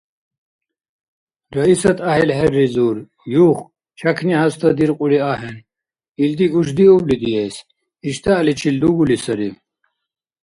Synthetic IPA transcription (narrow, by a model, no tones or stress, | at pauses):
ɾɐisɐt̪ɐɦelɦeɾːizuɾ | juːχ | t͡ɕʰɐkʰniɦɐst̪ʰɐd̪iɾqʼuɽiaːɦen | ild̪iuʂ̬d̪iublid̪ijes | iɕt̪aːlit͡ɕʰild̪uɡulisɐɾi